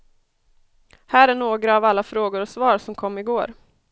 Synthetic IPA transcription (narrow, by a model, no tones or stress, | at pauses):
hæːɾæɳoːɡɾaːvalːafɾoːɡʊɾɔsvɑːɾsɔmkʰɔmːɪɡoːɾ